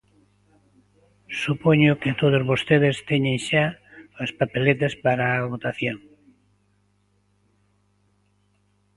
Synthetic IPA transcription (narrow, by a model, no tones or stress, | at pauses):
supoɲʊket̪oð̞ozβost̪eðest̪eɲẽŋʃaospapelet̪̬espaɾaːβot̪aθjoŋ